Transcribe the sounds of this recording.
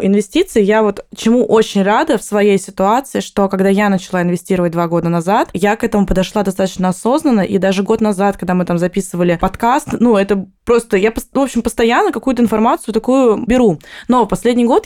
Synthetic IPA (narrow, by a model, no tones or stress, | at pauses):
ɪnvʲɪsʲtʲit̪sɨɪjavo̞t̪t͡ɕɪmuʔot͡ɕɪnʲrad̪əfsvɐjejsʲɪt̪ʊat̪sɨɪʂt̪o̞kɐɡd̪ajanət͡ɕɪlˠaɪnvʲɪsʲtʲiɾəvət̚ʲd̪vaɡo̞d̪ənɐzat̪jakɛt̪əmʊpəd̪ɐʂlˠad̪ɐst̪at̪ət͡ɕnəɐso̞znənːəʔid̪aʐɨɡo̞t̪nɐzat̪kɐɡ̚d̪amɨt̪amzɐpʲisɨvəlʲɪpɐt̪kast̪nuɛt̪əpɾo̞st̪əjapəsvo̞pɕːɪmpəst̪ɐjanːəkɐkujʊt̪əɪnfɐrmat̪sɨʊt̪ɐkujʊbʲɪɾuno̞pɐsʲlʲedʲnʲɪjɡo̞t̪